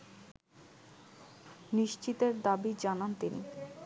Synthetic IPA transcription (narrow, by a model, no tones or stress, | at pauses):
niʃt͡ɕit̪eɾd̪abid͡ʑanant̪inḭ